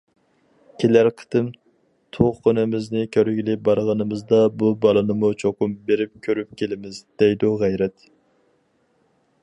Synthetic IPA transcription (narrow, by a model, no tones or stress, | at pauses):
kʲʰelæɾqʰə̥t̪ɨm | t̪ʰoʁqønɪmɪznɪkʲʰøɾɡʲilɪbɑɾʁɑnɨmɨzd̪ɑbubɑlˠɨnɨmut͡ʃʰokʊmbeɾɪp̚kʲʰøɾypkʲelɪmɪzd̪̥ɛjd̪uʁæjɾɛt̪